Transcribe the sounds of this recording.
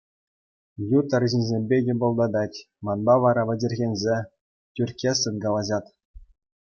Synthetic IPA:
jut̪ɑ̆rʑinʲzʲemʲbʲeɡʲɘ̆bŏlˠd̪ɑd̪ɑtʲ | mɑnbɑʋɑɾɑʋʲɘ̆d͡ʑʲɘ̆rʲɣʲenʲzʲe | tʲyrʲkʲesɯnɡɑlˠɑʑɑt̪

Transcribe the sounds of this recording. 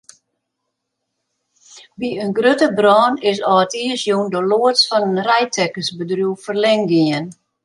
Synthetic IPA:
ʋiənɡrøtəbrɔːnɪsɔətiəsjondəloətsfɔnənrɛjtʰɛkəsbədrjuwfərlɛŋɡiən

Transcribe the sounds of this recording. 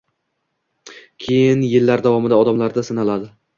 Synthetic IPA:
kʲʰe̞jɪnjɪlːaɾd̪avɒmɪd̪aɒd̪amlaɾd̪asɪnalad̪ɪ

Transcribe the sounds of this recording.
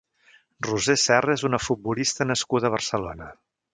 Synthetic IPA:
ruzesɛrəezunəfut̪̚bulist̪ənəskuðəːβ̞ərsəlonə

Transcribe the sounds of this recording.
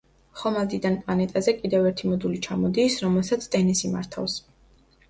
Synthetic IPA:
χɔmad̪id̪anpʼlˠanɛt̪ʼazɛkʼid̪ɛvɛɾt̪ʰimɔd̪ulit͡ʃʰamɔd̪iːsɾɔmɛlˠsat̪sʰt̪ʼɛnisima̰ɾt̪ʰa̰fs

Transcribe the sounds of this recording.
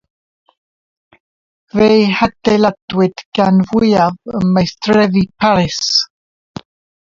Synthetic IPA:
vejhad̥ɛlad̥wɪd̥ɡ̥anvwɪavəmajstʰrɛðipʰaɾɪs

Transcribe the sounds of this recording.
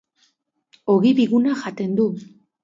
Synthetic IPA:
o̞ɣiβiɣunaʝat̪e̞nd̪u

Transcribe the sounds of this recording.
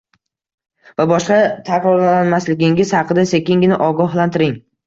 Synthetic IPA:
vabɒʃqɑt̪ʰaqɾɒɾlanmaslɪɡʲɪŋɪz̥hɑqʰɨd̪ase̞kʲɪŋɪnɪʔɒɡɒɦlˠant̪ɪɾɪŋ

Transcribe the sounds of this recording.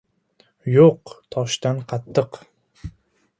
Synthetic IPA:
joqt̪ʰɒʃt̪anqʰɑt̪ʰːɨq

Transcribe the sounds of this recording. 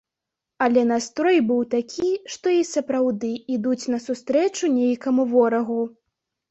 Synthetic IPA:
ɐlʲɛnast̪ɾɔjbɨwt̪akʲʰiʂt̪ɔisɐpɾawd̪ɨid̪ut͡sʲnɐsust̪ɾɛt͡ʂunʲejkɐmuvɔɾɐɣu

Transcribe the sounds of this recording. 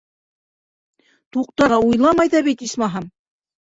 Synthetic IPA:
t̪uqt̪ɑʁɑujlˠɑmɑjðɑβit̪ismɑɦɑm

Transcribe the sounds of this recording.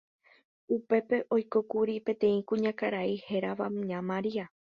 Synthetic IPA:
upe̞pe̞ʔo̞jko̞kuɾipẽ̞t̪ẽ̞ĩkũɲãkaɾaihe̞ɾaʋaɲãmãɾia

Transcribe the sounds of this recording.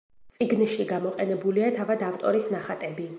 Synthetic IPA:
t̪sʼiɡnʃiɡamɔqʼɛnɛbuliat̪ʰavad̪avt̪ʼɔ̰ɾisnaχat̪ʼɛbi

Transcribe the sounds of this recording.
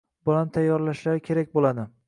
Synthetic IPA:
b̥ɒlant̪ʰajːɒɾlaʃlaɾɪkʲʰe̞ɾakʲbolˠad̪ɪ

